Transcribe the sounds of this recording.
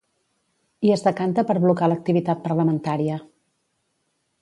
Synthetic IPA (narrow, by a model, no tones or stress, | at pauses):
iəzðəkant̪əpəɾβlukalək̚t̪iβit̪at̪̚pəɾləmənt̪aɾiə